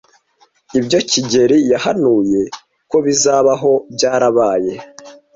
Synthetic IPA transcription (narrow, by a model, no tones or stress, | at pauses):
ibɟo̞ciɟe̞ɾijahanuːje̞ | ko̞βizaːβaɦo̞bɟaːɾaβaːje̞